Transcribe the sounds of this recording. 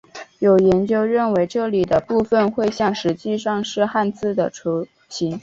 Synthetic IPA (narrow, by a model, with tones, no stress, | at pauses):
jo˨˩ʊjɛ˧˥nt͡ɕjo˥ʊɻə˥˩nwe˧˥ɪʈ͡ʂɤ˥˩li˨˩d̪ə˦pu˥˧fə˧nxwe˥˧ɪɕjɑ˥˩ŋʂɻ̩˧˥t͡ɕi˥˧ʂɑ˥˧ŋʂɻ̩˥˧xa˥˧nt͡sɹ̩˥˩d̪ə˩ʈ͡ʂʰo˧˥ | ɕi˧˥ŋ